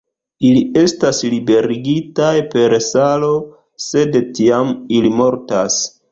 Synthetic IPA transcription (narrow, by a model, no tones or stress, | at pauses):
ilie̞staslibe̞ɾiɡitajpe̞ɾsalo̞ | se̞dtiamilimo̞ɾtas